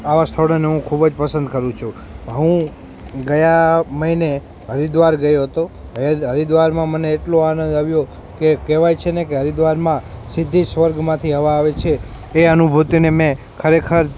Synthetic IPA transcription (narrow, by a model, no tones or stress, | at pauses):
aʋast̪ʰəʋɽəneɦũkʰubəd͡ʒpəsə̃nd̪kəɾũt͡ʃʰũ | ɦũ | ɡəjãməine | ɦəɾid̪ʋaɾɡəjoɦət̪oɦəɾid̪ʋaɾmãməneːʈloanə̃nd̪aʋjo | kekɛʋajt͡ʃʰenekeɦəɾid̪ʋaɾmãsid̪ʱːisʋəɾɡmãt̪ʰiɦəʋaːʋet͡ʃʰeː | ənubʱut̪unemẽ | kʰəɾekʰəɾ